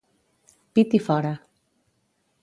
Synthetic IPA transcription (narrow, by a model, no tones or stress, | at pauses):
pit̪ifɔɾa